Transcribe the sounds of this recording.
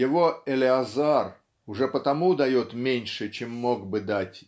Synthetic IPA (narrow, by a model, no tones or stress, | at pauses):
jɪvo̞ɪlʲɪɐzar | ʊʐɛpət̪ɐmud̪ɐjo̞t̪mʲenʲʂɨt͡ɕemːo̞ɡbɨd̪atʲ